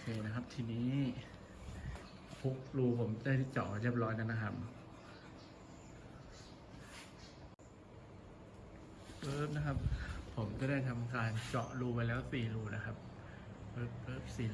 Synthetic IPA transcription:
o˧kʰeː˧na˦˥kʰa˦˥p̚t̪ʰiː˧niː˦˥ | pʰo˦˥k̚luː˧pʰo˩˦mt͡ɕaː˥˩jt̪ːt͡ɕɔ̰˨˩ɾi˦˥˩əp̚ɾɔː˦˥jna˦˥na˦˥kʰa˦˥p̚ | ʔɤː˦p̚na˦˥kʰa˦˥p̚ʰːo˩˦mt͡ɕa˧˩da˥˩jt̪ʰa˧mkaː˧nt͡ɕɔ̰˨˩ʔluː˧wa˧jlɛː˦˥wsiː˨˩ɾuː˧na˦˥kʰa˦˥p̚ | ʔɤː˦˩p̚ʔɤː˦˩p̚siː˨˩

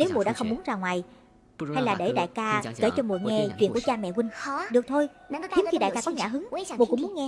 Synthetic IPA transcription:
ne˨˦wmu˨˩ɗa̰˧˥xə˧wŋ͡mmu˨˦ənzaː˧˩ŋwaː˨˩j | ha˧jlaː˨˩ɗe˧˩ɗa̰ː˧˨jkaː˧kḛ˧˩jt͡ɕɔ˧mu˨˩əŋɛ˧t͡ɕwḭ˧˨nkət͡ɕaː˧mɛ̰˧˨wï˧ŋ̟ɗɨ˨˩ək̚t̪ʰo˧j | i˨˦xi˧ɗa̰˧˨jkaː˧kɔ˨˦ɲaː˧˨ɦɨ˨˦ŋ˦˧˨mu˨˩kʊ̰˧˥ŋ͡mmu˨˦ənŋɛ˧

